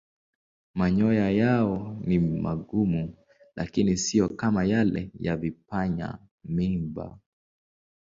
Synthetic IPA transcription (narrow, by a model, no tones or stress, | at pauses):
maɲɔjajaɔnimaɠumu | lʔakinisijɔkamajalɛ̰javipaɲa̰ | mimba̰